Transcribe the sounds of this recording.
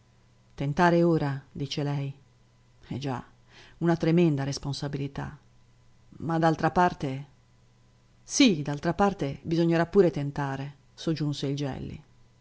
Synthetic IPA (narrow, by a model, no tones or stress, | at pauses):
t̪ent̪aːɾeoːɾad̪it͡ʃelɛj | ɛd͡ʒa̰ | unat̪ɾemɛnd̪aɾesponsabilit̪a̰ | mad̪alt̪ɾapart̪e | sid̪alt̪ɾapart̪ebizoɲːeɾapːuːɾet̪ent̪aːɾe | sod͡ʒːunseild͡ʒɛ̰lːḭ